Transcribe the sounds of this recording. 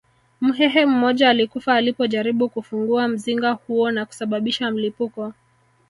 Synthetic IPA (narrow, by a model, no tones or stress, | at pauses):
m̩ɦɛɦɛm̩mɔʄaːlikufaːlipɔʄaɾiɓukufuŋɡuam̩ziŋɡahuɔnaku̥saɓaɓiʃam̩lipukɔ